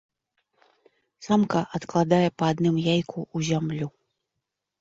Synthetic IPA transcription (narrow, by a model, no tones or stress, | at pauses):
samkɐʔat̪klˠad̪ajɛpɐːd̪nɨmjajkʰuːzʲamlʲu